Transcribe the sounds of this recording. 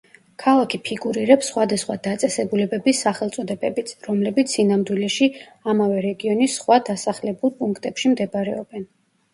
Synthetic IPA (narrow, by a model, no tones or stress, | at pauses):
kʰalˠakʰipʰiɡuɾiɾɛpsːχwad̪asχwad̪at̪sʼɛsɛbulɛbɛbisaχɛlˠt̪sʼɔd̪ɛbɛbit̪sʰɾɔmlɛbit̪sʰinamd̪wilɛʃi | amavɛɾɛɡiɔnisːχwad̪asaχlɛbulˠpʼuŋkʰt̪ʼɛpʃimd̪ɛbaɾɛɔb̥ɛn